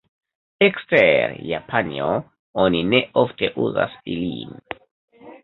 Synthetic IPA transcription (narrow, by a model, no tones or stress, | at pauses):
eksteɾja̰pʰanio | onineʔofte̞ʔuza̰silḭn